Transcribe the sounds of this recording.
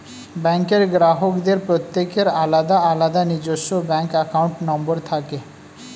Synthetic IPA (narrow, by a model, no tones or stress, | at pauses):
bɛŋkeɾɡɾaɦokd̪eɾpɾot̪ːekeɾalad̪aalad̪anid͡ʑoʃːobɛŋkɛkawɳʈnɔmboɾt̪ʰake